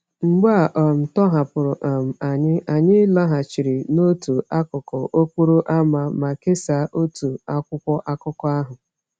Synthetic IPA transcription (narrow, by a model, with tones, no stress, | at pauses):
ŋ͡m̩˨ɡ͡ba˦˨ʔɔ˨m̩˨tɔ˦ɦa˨pʊ˨ɾʊ˨ʔa˨m̩˨a˨ɲɪ˦ʔa˨ɲɪ˦la˦ɦa˨t͡ʃi˨ɾɪ˨no˦tu˨a˦kʊ˨kɔ˨ʔo˦kʷu˦ɾu˦ʔa˦ma˦˨ma˨ke˦sa˨˦ʔo˦tu˨a˦kʷʊ˦kʷɔ˦ʔa˦kʊ˦kɔ˦a˦ɦʊ˨